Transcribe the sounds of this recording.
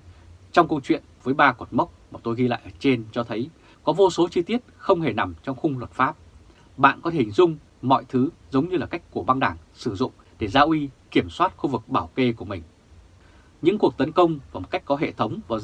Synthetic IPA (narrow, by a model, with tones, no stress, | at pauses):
t͡ɕɔ˧wŋ͡mkə˧wt͡ɕwḭ˧˨ənvəː˨˦jɓaː˧kɔ˨˩nma˦˥wk͡p̚maː˨˩t̪o˧jɣi˧la̰ː˧˨jʔəː˧˩t͡ɕe˧nt͡ɕɔ˧t̪ʰə˨˦j | kɔ˨˦vo˧so˨˦t͡ɕɨ˧t̪i˦˥ət̚xə˧wŋ͡mɦe˧˩na˨˩mt͡ɕɔ˧wŋ͡mxʊ˧ŋ͡mlwə˨˩t̚faː˦˥p̚ | ɓa̰ː˧˨nkɔ˨˦t̪ʰe̟˨˩zʊ˧ŋ͡m | mɔ̰˧˨jt̪ʰɨ˨˦zə˨˦wŋ͡mɲɨ˧laː˨˩ka˦˥jk̟̚ku˧˩əɓa˧ŋɗaː˧˩ŋsɨ˧˩zʊ̰˧˨ŋ͡m | ɗe˧˩zaː˧ʔwi˨˦ki˧˩əmswaː˦˥t̚xu˧vɨ˨˩k̚ɓaː˧˩wke˧ku˧˩əmï˨˩ŋ̟ | ɲɨ̰˧˥ŋku˨˩ək̚t̪ə˨˦nkə˧wŋ͡mvaː˨˩mo˨˩t̚ka˦˥jk̚kɔ˨˦ɦḛ˧˨t̪ʰə˨˦wŋ͡mvaː˨˩